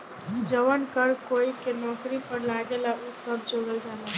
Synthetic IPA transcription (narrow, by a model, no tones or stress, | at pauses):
d͡ʒəʋənkəɾkoikenɔkɾipəɾlaɡelaʔusəb̚d͡ʒoɡəld͡ʒana